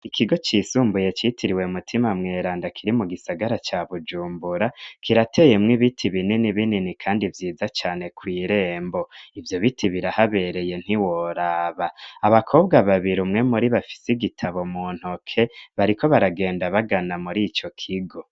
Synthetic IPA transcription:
ikʰiɡo̞t͡ʃiːsuːmbuje̞t͡ʃitʰiɾiwe̞umutʰimamŋe̞ːɾaːndakʰiɾimuɡisaɡaɾat͡ʃaβud͡ʒuːmbuɾakiɾatʰe̞je̞mŋiβitʰiβininiβininikʰaːndivjiːzat͡ʃaːne̞kwiːɾe̞ːmbo̞ivjo̞βitʰiβiɾahaβe̞ɾe̞je̞n̥hiwoɾaːβaaβakʰo̞ːb̚ɡaβaβiɾumŋe̞muɾiβafi̥siɡitʰaβo̞muːn̥hokʰe̞βaɾikʰo̞βaɾaɡe̞ːndaβaɡanamuɾit͡ʃo̞kʰiɡo̞

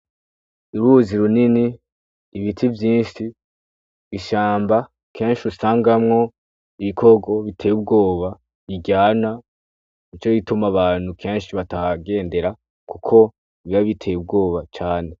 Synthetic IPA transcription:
uɾuːziɾuniniː | βitʰivjiːnʃiː | ʃaːmba | kʰe̞ːnʃiusaːŋɡamŋo̞ | iβikʰo̞ɡo̞βitʰe̞jub̚ɡo̞ːβa | βiɟaːna | nit͡ʃo̞jitumaβaːn̥hukʰe̞ːnʃiβataɡe̞ːnde̞ɾa | kukʰo̞ | iβiβaβitʰe̞jubɡo̞ːβat͡ʃaːne̞

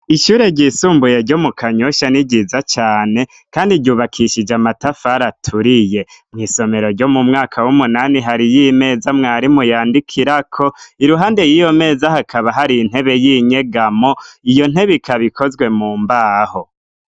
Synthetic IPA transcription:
iʃuːɾe̞ɾɟiːsuːmbuje̞ɾɟo̞mukʰaɲoʃaniɟizat͡ʃaːne̞ | kaːndiɟuːβakʰiʃid͡ʒamatafaɾatʰuɾije̞mŋiːso̞me̞ɾo̞ɾɟo̞mumŋaːkʰawumunaniɦaɾijime̞ːzamŋaːɾimujaːndikʰiɾakʰo̞iɾuɦaːnde̞jijo̞me̞ːzahakʰaβaɦaɾiːn̥he̞βe̞jiɲe̞ɡamo̞ijo̞n̥he̞βikʰaβikʰo̞zɡwe̞muːmbaːho̞

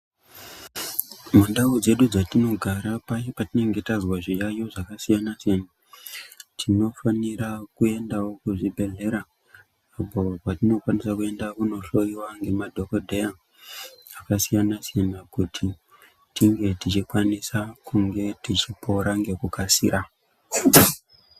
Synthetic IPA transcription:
munɗaud͡ze̞ɗud͡zatino̞ɡʱaɾapat͡ʃopatine̞ŋɡe̞tazwaʐijajo̞ʐakasijanasana | tʰino̞fanirakue̞ndawo̞kuʐibʱe̞ɮe̞ɾaː | po̞patino̞kwanisakue̞ndakuno̞ɬo̞iwaŋɡe̞madʱo̞kodʱeja | akasijanasijanakutʰi | tiŋɡe̞tit͡ʃikwanisakʰuŋɡe̞tit͡ʃipo̞ɾaŋɡe̞kukasḭɾa

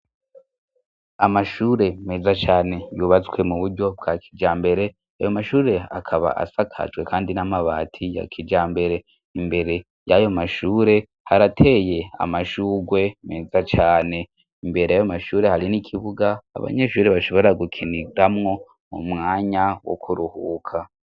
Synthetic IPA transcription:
amaʃuɾe̞me̞ːzat͡ʃaːne̞juβat͡swe̞muβuɾɟo̞b̚ɡakʰid͡ʒaːmbe̞ɾe̞ | a̰jo̞maʃuːɾe̞a̰kʰaβa̰ʔa̰sakʰa̰d͡ʒɡwe̞kʰaːndinamaβa̰ːtʰija̰kʰid͡ʒaːmbe̞ɾe̞ | imbe̞ɾe̞ | jajo̞maʃuːɾe̞ | haɾatʰe̞je̞a̰maʃuːɡwe̞me̞ːzat͡ʃaːne̞ | imbe̞ɾejajomaʃuːɾe̞haɾinikʰiβuɡa̰ːβa̰ɲe̞ʃuːɾe̞βaʃo̞βo̞ɾaɡukʰiniɾamŋo̞ | mumŋaːɲawo̰kʰuɾuhuːkʰa

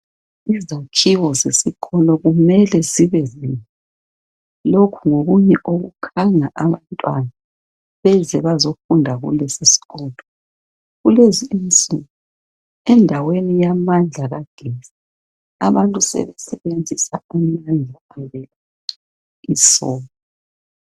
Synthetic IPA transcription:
izakʰiwɔzesiɣʰɔlɔɣumɛlɛziβɛzina | lokʰuŋoɣuɲɛʔoɣṵkʰaŋaʔaβantʼwana | βɛzɛβazofundʱaɣṵlesisi̥ɣɔːlɔ | ɣuleziint͡sʼiŋu | ɛndʱawenijamand͡ɮʱaɣaɡ̥ʱɛza | a̰βantʼusɛ̰βɛsɛβend͡zʱisaamand͡ɮʱa | aβɛa | isɔːlɔ

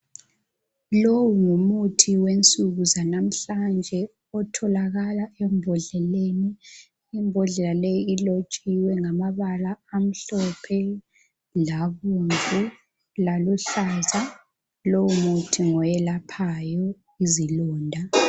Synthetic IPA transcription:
lowuŋumutʰiwent͡sʼuɣuzanam̩ɬand͡ʒʱɛ | ɔtʰɔlaɣalaem̩bʱɔɮɛleniː | mbʱɔɮɛlalejiilot͡ʃʼiwɛŋamaβalaːm̩ɬɔpʰɛ | laɣunvʼu | laluɬaza | lowumutʰiŋɔjɛlapʰajɔ | izilɔːndʱa

